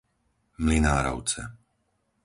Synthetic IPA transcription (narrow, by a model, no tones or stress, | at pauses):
mlinaːɾɔ̰ʊt͡sɛ̰